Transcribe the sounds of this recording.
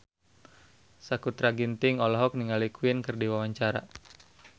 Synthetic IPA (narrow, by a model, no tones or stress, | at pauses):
sakut̪ɾaɡint̪ɪŋɔlɔɦɔk̚niŋalikuɪnkɨrdiwawaɲt͡ʃaɾa̰